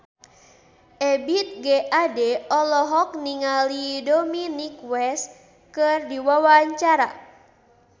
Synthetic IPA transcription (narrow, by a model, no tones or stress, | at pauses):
ʔɛbit̪̚ɡɛʔadɛɔlɔɦɔk̚niŋalidɔminikwɛs | kɨrdiwawaɲt͡ʃaɾa